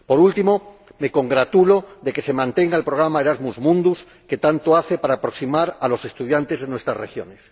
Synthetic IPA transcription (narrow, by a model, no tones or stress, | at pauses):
po̞ɾult̪imo̞me̞ko̞ŋɡɾat̪uloðe̞ke̞semãnt̪e̞ŋɡaelpɾo̞ɣ̞ɾamaeɾazmuzmũnd̪us | ke̞t̪ant̪oaθe̞paɾaːpɾo̞ksimaɾalose̞st̪uð̞jant̪e̞zðenwe̞st̪ɾasrexjo̞̰nes